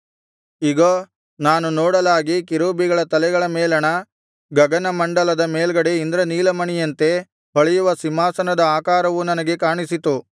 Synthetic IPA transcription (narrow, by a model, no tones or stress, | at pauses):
iɡoː | naːnunɔːɽɐlaːɡikiɾoːbiɡɐɭɐt̪ɐlɛɡɐɭɐmeːlɐɳɐ | ɡɐɡɐnɐmɐɳɖɐlɐd̪ɐmeːlɡɐɽeind̪ɾɐniːlɐmɐɳijɐnt̪e̞ | bɐɭɛjuʋɐsimːaːsɐnɐd̪ɐaːkaːɾɐʋunɐnɐɡe̞kaːɳisit̪u